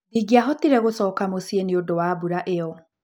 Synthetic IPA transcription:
niɡiaɦɔtiɾɛɣosɔːkamosieniodowabuɾaʔeɔ

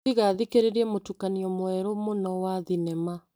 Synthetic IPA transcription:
iɣaðikeɾeɾɛmotukaniɔmwɛɾomonɔwaðinɛma

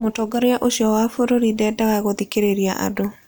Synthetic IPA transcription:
motɔɡaɾeaʔoɕiɔwafoɾoɾidɛdaɣaɣoðikeɾeɾiaʔa̰do

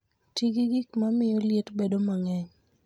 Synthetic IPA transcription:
tiɡiɡikmamɪjɔlɪetbedomaŋɛɲ

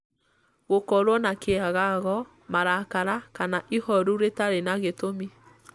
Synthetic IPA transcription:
ɣokɔɾwɔnakeaɣaɣɔ | maɾakaɾakanaʔihɔɾuɾetaɾenaɣetomi

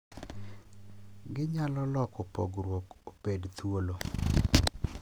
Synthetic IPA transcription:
ɡɪɲalɔlɔkopɔɡɾwokopedt̪wolo

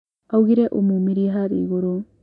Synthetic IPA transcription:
awɡiɾeʔumumiɾiɦaɾḭɡoɾo

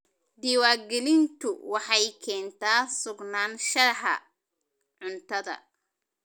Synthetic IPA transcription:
d̪iːwaːɡɛlɪnt̪ʰʊwɑħɑjkʰɛːnt̪ʰaːsʊɡnaːnʃɐrħɐ̰ | ʕʊnt̪ʰɐðɐ̰

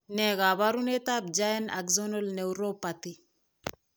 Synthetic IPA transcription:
nɛɡaβaɾunɛtab̚d͡ʒajna̰kzɔnɔlnewɾopati

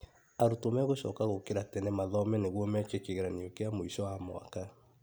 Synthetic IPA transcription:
aɾutomɛɣoʃɔ̰ːkaɣokeɾatɛnemaðɔmɛneɣwɔmɛt͡ʃekeɣeɾaneokeamoiʃɔwamo̰a̰ka

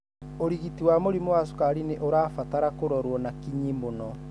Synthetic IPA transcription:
oɾiɣitiwamoɾimowas̬u̥kaɾineʔoɾaːfataɾakoɾɔɾwɔnakiɲimonɔ

